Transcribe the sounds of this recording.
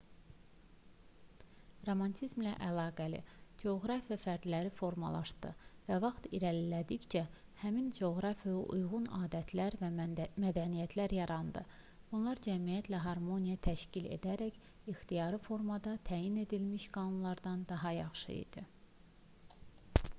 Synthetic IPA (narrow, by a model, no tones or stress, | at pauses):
ro̞mɑnt̪ʰizmlæʔælˠɑːɡælḭd͡ʒeoɣɾɑfijɑfæɾd̪læɾifo̞ɾmɑ̰lˠɑ̰ʃd̪ɯvævɑχt̪iɾælilæd̪içd͡ʒæhæmind͡ʒeoɣɾɑfijouʔujɣunɑ̰ːd̪æt̪ʰlæɾvæmæd̪ænijæt̪ʰlæɾjɑɾɑnd̪ɯ | b̥unlˠɑɾd͡ʒæmijæt̪ʰlæɦɑɾmo̞nijɑt̪ʰæʃcilḛd̪æɾæç | ixt̪ijɑɾɯfo̞ɾmɑd̪ɑt̪ʰæːjine̞d̪ilmiʃɡɑnunlˠɑɾd̪ɑnd̪ɑɦɑjɑχʃɯ̰ḭd̪̥i